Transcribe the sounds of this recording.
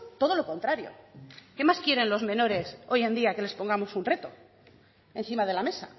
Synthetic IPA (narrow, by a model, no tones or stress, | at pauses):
t̪o̞ð̞o̞lo̞ko̞nt̪ɾaɾjo̞̰ke̞maskjeɾe̞nlo̞zmẽ̞no̞ɾe̞so̞je̞nd̪iake̞le̞spo̞ŋɡamo̞sunre̞t̪o̞ | e̞n̟θimaðe̞lame̞sa̰